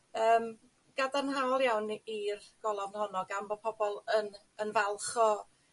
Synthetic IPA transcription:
əːm | ɡ̥adanɦaɔlˠjawnirɡ̥ɔlˠɔvnhɔnɔɡambɔpʰɔbɔlˠən | ənvalˠχɔ

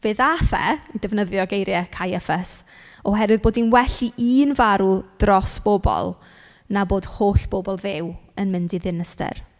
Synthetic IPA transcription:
v̥eːðafɛ̰idɛvnəðjɔɡejɾjɛkʰajɛfɛs | ɔɦɛɾwɨðboːdinwɛɬiʔiːnvaɾud̥rɔsb̥oːbɔ̰lˠ | naboːd̥hoːɬb̥oːbɔlˠðɪwənmɪndiðɪnəstɛ̰r

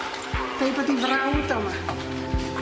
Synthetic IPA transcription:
b̥ejbadivrawdɔma

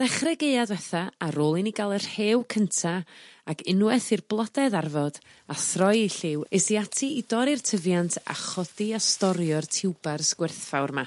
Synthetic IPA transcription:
ð̥ɛχrɛɡeɨadvɛθaaɾoːlˠiniɡalˠər̥heːwkʰəntʰaakʰɪnwɛθirblˠɔdɛðarvɔd̥ | aθrɔjiɬɪwesiatʰiidɔɾirtʰəvjantʰa̰χɔdiastɔɾjɔrtʰɪwbarskwɪrθfawrma

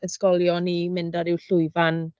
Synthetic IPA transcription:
əskɔlˠjɔnimɪndaɾɪwɬʊɨvan

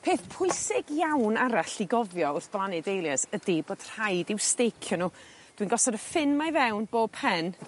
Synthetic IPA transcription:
pʰeːθpʰʊɨsɪɡjawnaɾaɬiɡɔvjɔʊrθb̥lˠanɛdejlˠjasədiboːd̥r̥ajdɪwstejkʰjɔnuː | d̥winɡɔsɔɾəfɪnmajvɛwnb̥oːb̚pʰɛn

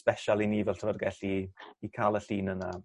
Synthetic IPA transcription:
pɛʃalˠiniːvɛltʰrəvɔrɡɛɬiːkʰaːlˠəɬiːnəna

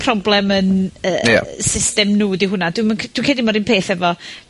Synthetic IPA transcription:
pʰrɔblˠɛmənə̰ːsɪstɛmnudiɦʊnad̥wɪmənkʰd̥wɪnkʰeːdɪmɔɾinpʰeːθɛvɔ

